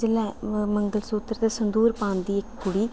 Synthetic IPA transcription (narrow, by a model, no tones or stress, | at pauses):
d͡ʒɪlɛ̃ːməŋɡəlsuːt̪əɾt̪esənd̪uːɾpãːnd̪iːɪkkʊɽiː